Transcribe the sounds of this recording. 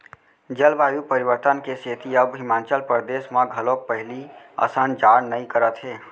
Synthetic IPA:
d͡ʒəlʋaːjupəɾɪʋəɾt̪ənkeseːt̪iəbɦɪmãːnt͡ʃəlpɾəɾd̪eːʃmãɡʱɐlõkpəɦɪlia̰ːsand͡ʒaːɾnɐĩkəɾət̪ɦeː

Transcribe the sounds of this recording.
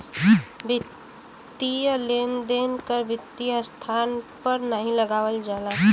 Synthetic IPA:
bɪ | t̪ːiəlend̪enkəɾbʱɪt̪ːiəst̪ʰaːnpəɾnəɦĩləɡaːwəld͡ʒaːla

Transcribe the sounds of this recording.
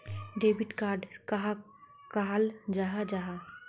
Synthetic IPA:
ɖeːbɪʈkaːɾɖkaɦa | kaɦald͡ʒaːɦad͡ʒaɦa

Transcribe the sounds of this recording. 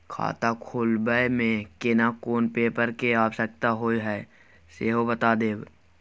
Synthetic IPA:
kʰa̰ːt̪akʰoːlbəemẽkenakoːnpeːpəɾkeaːpsək̚t̪aɦoːiɦɛː | seːɦobət̪aːd̪eːb

